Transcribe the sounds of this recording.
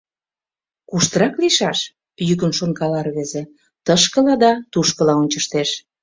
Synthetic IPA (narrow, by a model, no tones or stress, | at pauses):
kuʃt̪əɾɑkliʃɑʃ | jykə̆nʃonkɑlɑrβezĕ | t̪əʃkəlɑd̪ɑt̪uʃkə̆lɑonʲt͡ɕəʃt̪eʃ